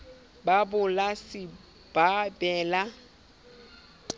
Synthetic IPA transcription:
babʊlasɪ | b̥ʱabɛːla

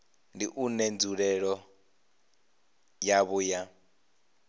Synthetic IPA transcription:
ndiʔunend͡zuɺɛɺɔ | jaβuːja

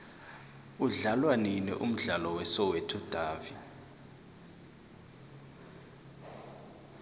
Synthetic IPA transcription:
uɮalwaninɛ̰ʔum̩ɮalɔwɛsɔwɛtʰud̥ʱaːvi

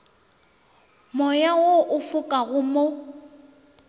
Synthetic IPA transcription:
mɔjawoʔʊfʊkʼaɣʊmo

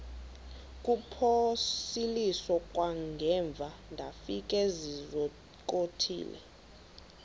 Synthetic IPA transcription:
kʼupʰosilisɔkʼwaŋɡʱɛɱb̪vʱandʱafik̬ʼɛzizɔ | kʼotʰḭːlɛ̰

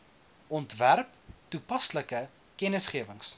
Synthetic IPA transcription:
ʔɔntværptupɐsləkə | kɛnəsχiəvəŋs

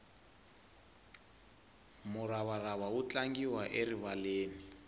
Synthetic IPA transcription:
mʊɾaβaraβawut͡ɬaŋɡiwaʔeriβaleːni

